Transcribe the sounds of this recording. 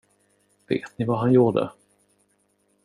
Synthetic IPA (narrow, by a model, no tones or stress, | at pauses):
v̥ḛːt̪nɪvaɦanjuːɖə̰